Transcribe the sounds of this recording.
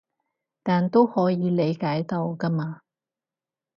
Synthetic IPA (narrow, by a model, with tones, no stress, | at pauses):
t̪aː˨nt̪o˥whɔː˨˥jiː˨˧le˨˧jkaː˨˥jt̪ɐ˧wkɐ˥maː˧